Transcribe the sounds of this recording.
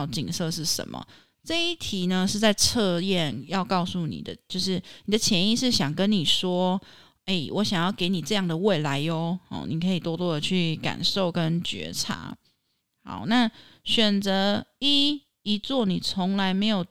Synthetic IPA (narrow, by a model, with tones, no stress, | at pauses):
ʊt͡ɕi˨˩ŋsɤ˥˧ʂ̬ɻ̩˥˩ʂə̰˨˧˦nmʔə̰˩ | ʈ͡ʂɤ˥˧i˥˩t̪ʰi˧˨˥nə˧ʂɻ̩˥˧t͡sa˥˧ɪt͡sʰɤ˥˧jɛ˥˨njɑ˥˧ʊkɑ˥˧ʊsu˥˩nḭ˨˩d̪ə˦t͡ɕjo˥˧ʊʂ̬ɻ̩˥˩ni˨˩d̪ə˦t͡ɕʰjɛ˧˥ni˥˧ʂɻ̩˥˩ɕjɑ˨˩ŋkə˦nnːi˨˩ʂwɔ˥ | e˥˩ɪwʔɔ˧˦ɕjɑ˨˩ŋjɑ˥˩ʊke˧ɪni˨˩ʈ͡ʂɤ˥˧jɑ˥˩ŋd̪ə˩we˥˩ɪla˧˦ɪjo˧˦hɑ̰˥˩ni˨˩kʰɤ˧˥i˨˩t̪wɔ˥t̪wɔ˥d̪ə˨t͡ɕʰy˥˩ka̰˨˩nʂo˥˩ʊkə˦nt͡ɕɥɛ̰˧˥ʈ͡ʂʰa̰˧˥˦ | ha̰˨˩˦ʊna˥˩ | ɕɥɛ˨˩nt͡sə˧˥˦i˥ | i˧˥t͡swɔ˥˩ni˨˩t͡sʰo˧˥ŋla˧˦˥ɪme˧˥ɪjo˨˩ʊ